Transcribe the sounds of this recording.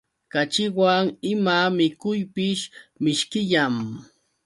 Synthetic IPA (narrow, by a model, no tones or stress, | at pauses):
kat͡ʃɪwaŋɪmamɪkʊjpɪʃmɪʃkɪʎam